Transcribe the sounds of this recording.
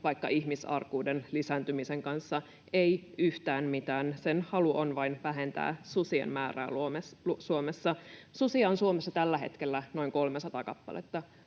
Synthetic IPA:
ʋɑikːɑʔihmisɑ̰rkuːdenlisænt̪ymiseŋkɑnsːɑ | eiyht̪æːnmit̪æːnsenhɑluʔonʋɑinʋæɦent̪æ̰ːsusiḛmmæːræ̰ːlumesusuomesːɑsusiɑːnsuomesːɑt̪ælːæɦḛt̪kelːæno̞iŋkolmesɑt̪ɑkɑpːɑ̰lḛt̪ːɑ

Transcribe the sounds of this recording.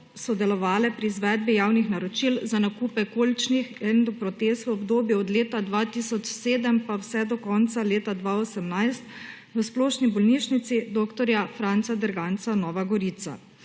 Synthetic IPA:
sɔd̪ɛlɔʋaːlɛpɾiːzʋɛd̪̚bijaːwnixnaɾɔt͡ʃilzanakuːpɛkoːlt͡ʃnixɛnd̪ɔpɾɔt̪est̪ʋəɔbd̪oːbjɛɔd̪leːt̪ad̪ʋat̪isɔt͡ʃseːd̪əmpawsɛd̪ɔkɔnt̪saleːt̪ad̪ʋaosəmnajst̪ | ʋəsplɔːʃnibɔlniːʃnit̪sid̪oːkt̪ɔɾjafɾant̪sad̪əɾɡant̪sanɔːʋaɡɔɾit̪sa̰

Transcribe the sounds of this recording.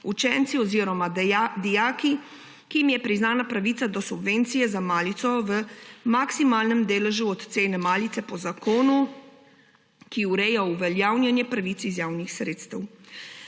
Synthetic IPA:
ut͡ʃɛːnt̪siɔziːɾɔmad̪ijaːki | kiimjɛpɾiznaːnapɾaʋiːt̪sad̪ɔsubʋeːnt̪sijɛzamaːlit̪sɔʋəmaksimaːlnɛmd̪eːlɛʒuɔt̪t̪seːnɛmaːlit̪sɛpɔzakoːnu | kiuɾɛːjauʋɛljaːwnjanjɛpɾaʋiːt̪sizjaːwnixsɾeːt̪st̪ɛw

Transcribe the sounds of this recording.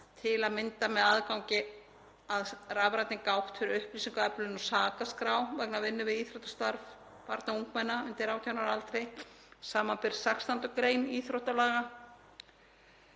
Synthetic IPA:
t̪ʰɪlaðmɪnt̪amɛðaðkawŋɲcɪ | aðravɾat̪nɪŋkawht̪fɪɾɪɾʏhplisiŋkɛplɪnɔsaːkaskɾaːwvɛknavɪnːʏvɪðiːθɾowt̪ḁst̪aɾv | pa̰ɾt̪nauŋkmanːaʏnt̪ɪɾaːwt̪ʰawnaɾalt̪ɾej | saːmanpɪɾ̥sakst̪ant̪ʏkɾeːjniːθɾowht̪alaːɣa

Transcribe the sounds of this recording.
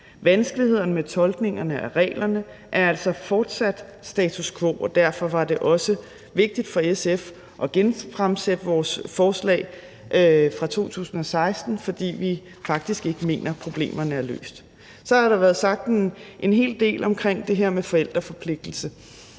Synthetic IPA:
ʋænsɡ̥əlihe̝ð̞̰ˠnəmet͡sʰɒ̽lɡ̥ne̝ŋɐnəʔæʁɛ̰ːlɐnə | ʔæɐæl̰sɒ̽fɒːd̥sæd̥sd̥ɛ̰ːt͡sʰuskʰʋo̝̰ːɒ̽d̥æɐfɒ̽ʋɑ̈d̥e̝ʔɒ̽sə | ʋe̝ɡ̥̚d̥id̥fɒ̽esef | ʔɒ̽ɡ̥enfʁamsed̥əʋɒːsfɒːslɛ̰ːɪ | ʔfʁɑ̈t͡sʰo̝̰ːt͡sʰṵːsn̩ɒ̽sɑ̈ɪsd̥n̩fɒ̽d̥ḭːʋi | fɑ̈ɡ̥̚d̥isɡ̥e̝ɡ̥əme̝̰ːnʔɐpʰʁo̝b̥le̝̰ːmɐnəæɐlø̰ːsd̥ | sɒ̽hɑɾɑ̈ʋæːɐð̞̩ˠsɑ̈ɡ̥̚d̥ʔe̝nɦe̝̰ːld̥e̝̰ːlɒ̽mkʰʁeŋ̰d̥e̝ɦeɐ̰mefɒ̽el̰d̥ʁɐfɒ̽pʰle̝ɡ̥̚d̥l̩sə

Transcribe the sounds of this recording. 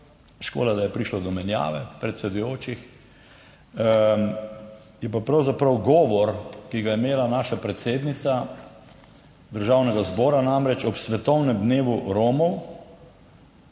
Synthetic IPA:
ʃko̰ːlad̪ajɛpɾiʃlɔd̪ɔmɛnja̰ːʋɛpɾɛt̪sɛd̪ujoːt͡ʃix | jɛpapɾawzapɾɐwɡɔːʋɔɾkiɡajɛmeːlanaːʃapɾɛt̪seːd̪nit̪sa | d̪əɾʒaːwnɛɡazbɔːɾanamɾɛt͡ʃɔpsʋɛt̪ɔwnɛmd̪neːʋuɾoːmɔw

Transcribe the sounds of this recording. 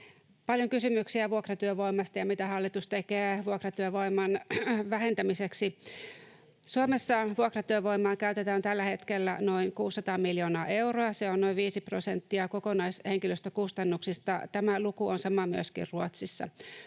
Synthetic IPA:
pɑljoŋkysymyksiæʋuokrɑt̪yøʋoimɑst̪ɑjɑmit̪æhɑlːit̪ust̪ekeːʋuokrɑt̪yøʋoimːɑnʋæhent̪æmiseksi | suomesːɑʋuokrɑt̪yøʋoimɑːŋkæyt̪et̪æːnt̪ælːæhet̪kelːæ̰noinkuːsːɑt̪ɑːmiljoːnɑːʔeuroɑseonnoiʋiːsiprosent̪ːiɑkokonɑisheŋkiløst̪økust̪ɑnːuksist̪ɑt̪æmælukuonsɑmɑmyøskḭrruot̪sisːɑ̰

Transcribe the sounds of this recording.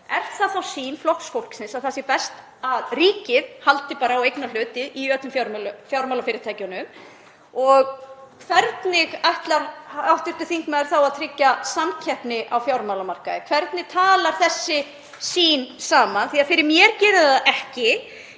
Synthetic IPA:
ɛr̥t̪θaθawsiːnflɔhksfowl̥ksɪnsaθasɪpɛst̪ | aðriːcɪðhalt̪ɪpaːɾaawejknal̥ʏːt̪ɪðiœːt̪ʏmfjawɾmlʏfjawɾmawlafɪːɾɪɾt̪ʰaːjcʏnʏm | ɔɣkʰvɛɾt̪nɪɣajht̪laɾawht̪ɪɾ̥t̪ʏ̥θiŋkmaðɾ̥θawaðt̪ʰɾɪcːasamcʰɛhpnɪʔawfjawɾmawlamar̥kaðɪkʰvɛɾt̪nɪɣt̪ʰaːlaɾ̥θɛsːɪ | siːnsaːmanθiaðfɪɾɪɾmjɛɾcɛːɾɪðaðʔɛhcɪ

